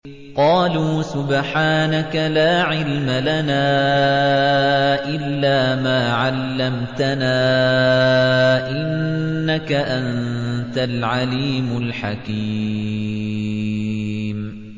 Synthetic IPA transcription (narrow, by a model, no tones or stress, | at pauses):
qɑːluːsʊbħaːnakalaːʕɪlmalanaː | ʔɪlːaːmaːʕalːamt̪anaː | ʔɪnːakaʔant̪alʕaliːmʊlħakiː | m